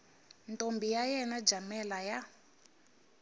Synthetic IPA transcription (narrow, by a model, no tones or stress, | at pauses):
ntʼombijajɛnad͡ʒamɛlaja